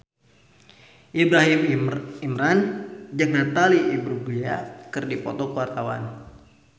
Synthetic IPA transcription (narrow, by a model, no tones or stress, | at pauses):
ʔibɾaɦimimɾand͡ʒaŋnat̪aliʔibɾuɡujakɨrdipɔ̰t̪ɔkwart̪awa̰n